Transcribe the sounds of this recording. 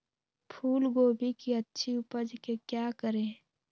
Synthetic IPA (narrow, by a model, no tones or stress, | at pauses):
pʰuːlɡoːbʱikiətːʃʰiʊpəd͡ʒkekjaːkəɾẽː